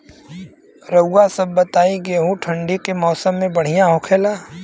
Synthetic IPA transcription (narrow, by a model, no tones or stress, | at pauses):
ɾəːasəb̚ːət̪aːiɡeːɦũʈʰə̃ɳɖikemɔːsəmːẽbəɽ̤ijãɦokʰeːlaː